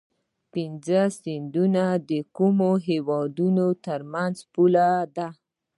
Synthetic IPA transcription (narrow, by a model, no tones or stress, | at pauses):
pinzəsɪnd̪unad̪əkumoɦewɑd̪unot̪əɾmanzpulad̪a